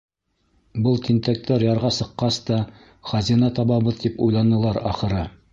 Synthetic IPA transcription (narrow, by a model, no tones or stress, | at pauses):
bɤlˠt̪int̪æk̚t̪æɾjɑɾʁɑsɤ̆qːɑst̪ɑ | χɑzinɑt̪ɑβɑβɤðt̪ipujlˠɑnɤ̆lˠɑɾɑ̰χɤ̆ɾɤ